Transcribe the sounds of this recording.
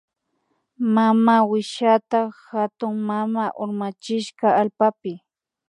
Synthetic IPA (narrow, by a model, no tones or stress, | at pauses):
mamaːwɪʃat̪ahat̪ʊŋmamaːʔʊɾmat͡ʃɪʃɢɑalpapɪ